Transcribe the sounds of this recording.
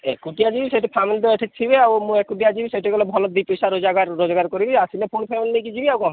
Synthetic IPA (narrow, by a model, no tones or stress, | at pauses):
ekuʈiad͡ʒibiseʈipʰamilid̪eeʈʰek̚t͡ʃʰibeawmũekuʈ̬iad͡ʒibiseʈikɔlɔbʱɔlɔd̪ipisaɾod͡ʒaɡaɾːod͡ʒaɡaɾkoɾibiasilepʰonpʰamilinejkid͡ʒibiawkɔ̃